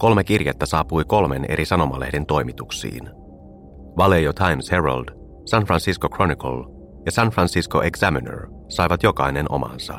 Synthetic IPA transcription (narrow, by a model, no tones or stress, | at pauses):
ko̞lmekirjet̪ːæsɑːpujko̞lme̞ne̞̰ɾʔisɑno̞mɑlḛhde̞nt̪o̞jmit̪uksḭːn | ʋɑlejot̪ʰɑjmsherɑ̰ld̥̪ | sænfrɑnsiskokro̞niko̰l | jɑsænfrɑnsiskoʔeksæminø̰r | sɑjʋɑt̪jokɑjnenʔo̞̰mɑ̰nsɑ̰